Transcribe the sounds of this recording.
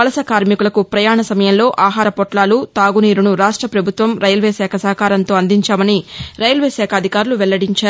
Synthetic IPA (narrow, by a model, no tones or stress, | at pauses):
ɐlɐsɐkaːɾmikulɐkupɾɐjaːɳɐsɐmɐjɐmlo̞ːʔaːɦaːɾɐpɔʈlaːlut̪aːɡuniːɾunuɾaːʂʈɾɐpɾɐbʱut̪ʋɐmɾɐjɐlʋeːsɛːkʰɐsɐɦɐkaːɾɐnt̪o̞ːɐnd̪iɲt͡ʃaːmɐniɾɐjɐlʋeːsɛːkʰɐd̪ʱikaːɾuluʋɛlːɐɽiɲt͡ʃaːɾu